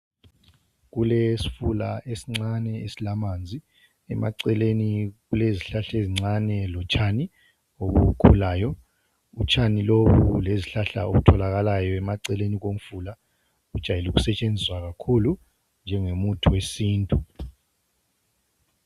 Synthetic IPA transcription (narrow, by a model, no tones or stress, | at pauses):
ɣulesi̥fulaʔesiŋ͡ǀanɛesilamaːnd͡zʱi | ɛ̰mʔa̰ǀɛleniɣuleziɬaɬeziŋ͡ǀanɛlɔt͡ʃʰʼani | oβukʰulaːjɔ | ut͡ʃʰʼaniloβuleziɬaɬa̰o̰βutʰɔlaɣalajɔɛmaǀɛleniɣom̩fula | ɣud̥ʒ̥ʱajiluɣusɛt͡ʃʼend͡zʱiswaɣakʰulu | nd͡ʒʱɛŋemutʰuwesiːntʼu